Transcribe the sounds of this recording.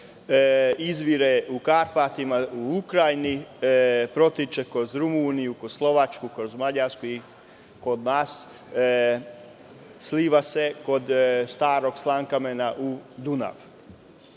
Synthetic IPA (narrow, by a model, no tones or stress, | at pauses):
izʋiɾeukaɾpat̪imauukɾajni | pɾo̞t̪it͡ʃekɾo̞zɾumunijukod̪slˠo̞ʋat͡ʃkukɾozmaʎaɾskui | kod̪naːs | sliːʋase̞ko̞d̪st̪aːɾo̞ɡslˠaŋkamenaʔud̪una̰ʋ